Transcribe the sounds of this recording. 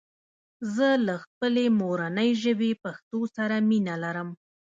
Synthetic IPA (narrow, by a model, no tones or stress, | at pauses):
zəlaxpəlemoɾanəjʒəbepaxt̪osaɾaminalaɾəm